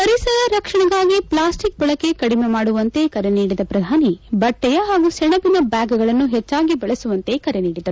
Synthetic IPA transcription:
ɐɾisɐɾɐɾɐkʂɐɳɐɡaːɡiplaːsʈik̚bɐɭɐkːe̞kɐɽimemaːɽuʋɐnt̪e̞kɐɾeniːɽid̪ɐpɾɐd̪ʱaːnibɐʈːɛjɐɦaːɡusɛɳɐbinɐbaːɡɡɐɭɐnːuɦɛt͡ʃːaːɡibɐɭesuʋɐnt̪e̞kɐɾeniːɽid̪ɐɾu

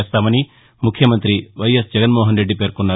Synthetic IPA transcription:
ɐst̪amɐni | mukʰjɐmɐnt̪ɾiʋɐjɐsd͡ʒɐɡɐnmoːɦɐnɾeɖːipeːɾkunːɐ

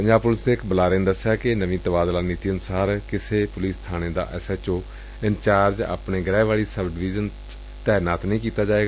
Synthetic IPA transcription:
pəɲd͡ʒaːbpʊlɪsd̪eːɪkbəlaːɾẽːnd̪əsːjaːkɪnəʋĩːt̪əbaːd̪laːniːt̪iːənʊsaːɾkɪseːpʊliːst̪ʰaːɽ̃eːd̪a̰ːʔɛsɛːt͡ʃoː | ɪnt͡ʃaːɾd͡ʒa̰ːpneːɡɾɛːʋaːɭiːsəbɖɪʋiːd͡ʒən | t̪ɛːnaːt̪nəĩːkiːt̪aːd͡ʒaːeːɡaː

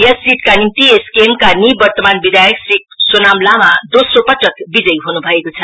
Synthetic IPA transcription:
jʌsiʈkanimt̪ieskemkanibʌrt̪ʌmanbid̪ʱajʌksrik̚sonamlamad̪osropʌʈʌkbid͡zʌjɦonubʱʌekot͡sʰʌ

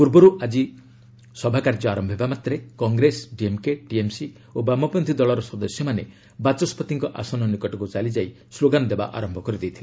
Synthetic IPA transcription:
puɾbɔɾuʔad͡ʒi | sɔbʱakaɾd͡ʒɔaɾɔmbʱebamat̪ɾekɔŋɡɾesɖiemkeʈiemsi | obamɔpɔnt̪ʰid̪ɔɭɔɾɔsɔd̪ɔsjɔmane | bat͡ʃɔspɔt̪iŋkɔʔasɔnɔnikɔʈɔkut͡ʃalid͡ʒai | sloɡanɔd̪eba̰ʔa̰ɾɔmbʱɔkɔɾid̪ejt̪ʰile

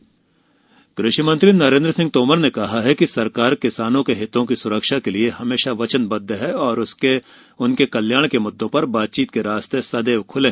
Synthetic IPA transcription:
ɡ̥ɾɪʃəmɐ̃nt̪ɾinɐɾẽːnd̪ɾəsɪ̃ŋɡ̚t̪oːməɾnekɐɦaɦɛkisɐɾkaːɾkɪsaːnõkeɦɪt̪õkisʊɾəkʃakelieɦɐmeːʃaʋɐt͡ʃənbɐd̪ʱːəɦɛɔːɾʊse | ʊnkekɐljaːɽ̃kemʊd̪ʱːõpɐɾbaːt̪̚t͡ʃiːt̪̚keɾaːst̪esɐd̪eːʋkʰʊlẽː

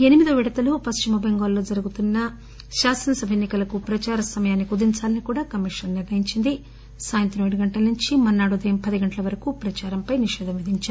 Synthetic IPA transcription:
e̞nimid̪uʋiɽɐt̪ɐlupɐst͡ʃimɐbʱeŋɡaːlːo̞ːd͡ʒɐɾuɡut̪unːɐ | ʃaːsɐnɐsɐbʱɐjenːikɐlɐkupɾɐt͡ʃaːɾɐsɐmɐjaːnːikud̪iɲt͡ʃaːlɐnikuːɽaːkɐmiʂɐnniɾʋɐɦiɲt͡ʃind̪i | saːjɐnt̪ɾɐmeːɽuɡɐɳʈɐlɐnuɲt͡ʃimɐnːaːɽud̪ɐjɐmpɐd̪iɡɐɳʈɐlɐʋɐɾɐkupɾɐt͡ʃaːɾɐmpɐjniʃɛːd̪ʱɐmʋid̪ʱiɲt͡ʃaːɾu

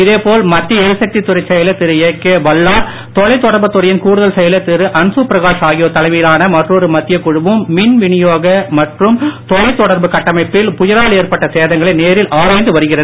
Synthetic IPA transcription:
ɪðeːpoːlmɐt̪ːɪjɐɛɾɯsɐk̚t̪it̪ːʊɾɐɪsɛjɐlɐt̪ːɪɾɯekːeʋɐlːaːɾ | t̪ɔɻɐɪt̪ːɔɽɐɾbɐt̪ːʊɾɐjɪnkuːɽɯðɐlsɛjɐlɐt̪ːɪɾɯʔɐnsupɾɐɣaːʂaːɣɪjoːt̪ːɐlɐɪmiːlaːnɐmɐʈrɔɾɯmɐt̪ːɪjɐkːʊɻɯʋɯmːɪnʋɪɳɪjoːɣɐmɐʈrɯmt̪ɔɻɐɪt̪ːɔɽɐɾbɯkɐʈːɐmɐɪpːɪlpʊjɪɾaːleːrpɐʈːɐseːðɐŋɡɐɭɐɪneːɾɪlʔaːɾaːɪnd̪ɯʋɐɾɯɣɪrɐð

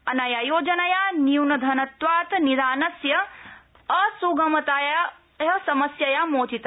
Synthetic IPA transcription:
ɐnajajoːd͡ʒɐnɐjaniuwnɐd̪ʱɐnɐt̪ʋaːt̪niɾaːnɐsjɐ | ɐsuɡɐmɐt̪aːja | ɦɐsɐmɐsjɐjamoːt͡ʃit̪

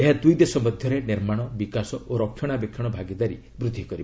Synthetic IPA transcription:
eɦad̪ujd̪esɔmɔd̪ʱjɔɾeniɾmaɽ̃ɔbikasɔʔoɾɔkʰɔɽ̃abekʰːɔɽ̃ɔbʱaɡid̪aɾi | bɾud̪ʱːikɔɾib

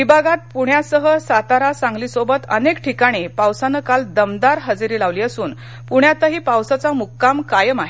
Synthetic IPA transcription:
ʋibʱaɡat̪̚puɳjasəɦəsat̪aɾasãŋɡliːsobət̪ə̰nekʈʰikaɽ̃ipawsanəkald̪əmd̪aɾɦəd͡zɾiːlaʋliːəsuːn | puɳjat̪əɦiːpawsat͡samukːamkajəmaɦe

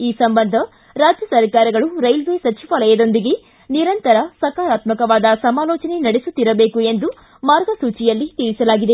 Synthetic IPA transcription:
iːsɐmbɐnd̪ʱɐ | ɾaːd͡ʒjɐsɐɾkaːɾɐɡɐɭuɾɐjlʋeːsɐt͡ʃiʋɐlɐjɐd̪o̞nd̪iɡe̞ | niɾɐnt̪ɐɾɐsɐkaːɾaːt̪mɐkɐʋaːd̪ɐsɐmaːlɔːt͡ʃɐne̞nɐɽesut̪ːiɾɐbeːkuend̪u | maːɾɡɐsuːt͡ʃijɐlːit̪iɭisɐlaːɡid̪e̞

